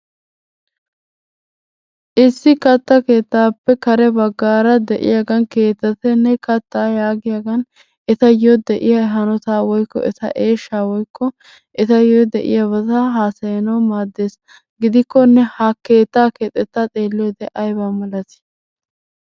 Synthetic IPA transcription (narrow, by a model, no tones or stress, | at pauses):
ʔɪsːɪkɐt̪ːɐke̞ːt̪ːaːpːɛkɐɾɛbɐɡːaːɾɐd̪ɛʔɪ̰jɐɡɐnke̞ːt̪ːɐt̪ɛnːɛkɐt̪ːaːjaːɡɪjɐɡɐn | ɛt̪ɐjod̪ɛʔɪjɐɦɐnɔt̪aːwɔjkːɔ̰ɛt̪ɐ̰ʔe̞ːʃːaːwɔjkʰːɔ | ʔɛt̪ɐjod̪ɛʔɪ̰jɐβɐt̪aɦaːsɐjɐnɐwmaːd̪ːe̞ːs | ɡɪd̪ɪkːɔnːɛhɐke̞ːt̪ːaːkeːt̪ʼːɛt̪ːat̪ʼeːlːod̪ɛʔɐjbamɐlɐt̪ɪ̥